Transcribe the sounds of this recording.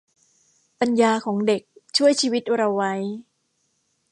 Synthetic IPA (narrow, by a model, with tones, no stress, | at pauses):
pa˧njaː˧kʰɔː˩˦ŋde˨˩k̚t͡ɕʰu˥˩əjt͡ɕʰiː˧wi˦˥t̪̚ɾa˧wːa˦˥j